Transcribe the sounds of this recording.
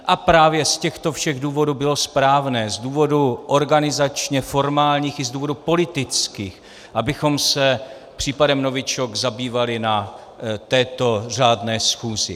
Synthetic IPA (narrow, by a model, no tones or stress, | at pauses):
ʔapɾaːvjɛscɛxt̪o̞fʃɛɣduːvo̞duːbɪlo̞spɾaːvnɛːzduːvo̞duʔo̞ɾɡanɪzat͡ʃɲɛfo̞ɾmaːlɲiːxɪzduːvo̞dupo̞lɪt̪ɪt͡skiːx | ʔabɪxo̞msɛ | pr̝̥iːpadɛmno̞vɪt͡ʃokzabiːvalɪna | t̪ɛːt̪o̞r̝aːdnɛːsxuːzɪ